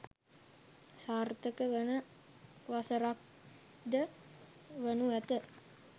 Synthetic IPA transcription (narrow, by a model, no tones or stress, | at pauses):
saːrt̪əkəʋənə | ʋasəɾak̚ | də | ʋənuɛt̪ə